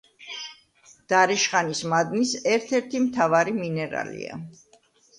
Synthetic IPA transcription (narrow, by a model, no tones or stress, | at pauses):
d̪̥aɾɛʃχanismad̪nisɛɾt̪ʰɛɾt̪ʰimt̪ʰavaɾiminɛɾa̰lḭa̰